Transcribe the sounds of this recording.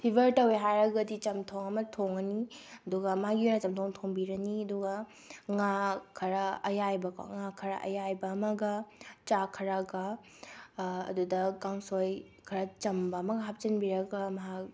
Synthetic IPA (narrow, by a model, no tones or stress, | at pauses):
pʰibɐɾtɐweɦajɾɐɡɐdit͡ʃɐmtʰoŋɐmɐtʰoŋɐniɐduɡɐmaɡiojɾɐt͡ʃɐmtʰoŋtʰoŋbiɾɐniɐduɡɐ | ŋakʰɐɾɐɐjajbɐko̰ŋakʰɐɾɐ̰ʔɐ̰jajbɐːmɐɡɐt͡ʃakʰɐɾɐɡɐ | ɐ̰ːdudɐkaŋsoj | kʰɐɾɐt͡ʃɐmbɐːmɐɡɐɦap̚t͡ʃɐnbiɾɐɡɐmɐɦak̚